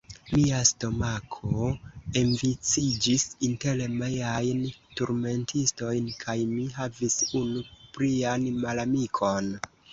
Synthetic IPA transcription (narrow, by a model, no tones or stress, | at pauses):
miasto̞makʰoeɱvit͡sid͡ʒisintelemejajntuɾme̞ntʰisto̞jnkʰajmiɦavisunupɾianmalamikʰo̞n